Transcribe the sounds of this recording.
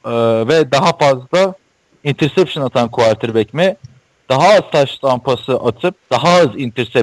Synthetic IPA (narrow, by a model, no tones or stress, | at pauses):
ɯvɛd̪aɦafazlˠa | int̪ʰiɾsɛpʃɯnat̪ʰankʰuaɾt̪ʰɯɾbɛcmɪ | d̪̥aɦaːzt̪ʰaʃt̪ʰampʰasɯʔat̪ʰɯp̚d̪̥aɦaɯzint̪ʰiɾsɛ